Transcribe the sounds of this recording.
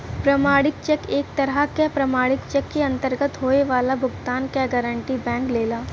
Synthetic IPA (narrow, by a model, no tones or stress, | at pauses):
pɾɐmaːɽɪk̚t͡ʃɛkeːk̚t̪ɐɾakapɾɐmaːɽɪkt͡ʃɛkːeɐ̃nt̪əɾɡət̪ɦoːeʋaːlabʱʊɡt̪aːnkaɡəɾəɳʈibɛ̃ːŋkleːlaː